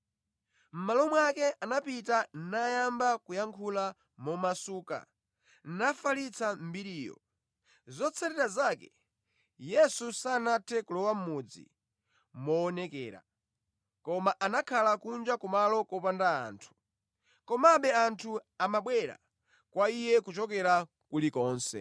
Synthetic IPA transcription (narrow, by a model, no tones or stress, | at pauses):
m̩malɔmwakɛʔanapitannajambakujaŋkʰula | mɔmasuːka̰ | n̩nafalit͡sʰam̩biɾiːjɔ̰ | zɔt͡sʰɛɾɛɾazaːkɛ̰ | jɛsusaːnatʰɛkulɔwam̩mud͡zḭ | mɔːnɛkɛ̰ːɾa̰ | kɔmaʔanakʰalakund͡ʒakɔmalɔkɔpandaa̰ːntʰu̥ | kɔmaɓɛantʰuamaɓwɛɾa̰ | kwaijɛkut͡ʃɔk̬ɛɾa | kulikɔːnsɛ̰